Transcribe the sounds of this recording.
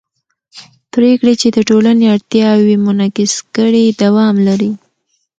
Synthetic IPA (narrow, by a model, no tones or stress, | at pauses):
pɾekɽet͡ʃed̪əʈolaneaɽt̪jɑwemʊnɑkɪskəɽed̪awɑmlaɾi